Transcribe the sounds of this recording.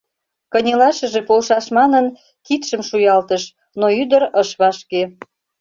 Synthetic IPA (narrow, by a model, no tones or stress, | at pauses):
kənʲelɑʃə̆ʒepolʃɑʃmɑnən | kit̪ʃəmʃujɑlt̪əʃ | noyd̪əɾəʃβɑʃke